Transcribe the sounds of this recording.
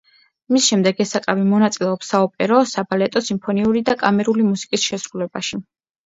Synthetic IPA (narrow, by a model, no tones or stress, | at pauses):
misʃɛmd̪ɛɡɛsakʼavimɔnat̪sʼilɛɔpsaɔpʼɛɾɔsabalɛt̪ʼɔsimpʰɔniuɾid̪akʼamɛɾulimusi̥kʼisʃɛsɾulɛbaʃi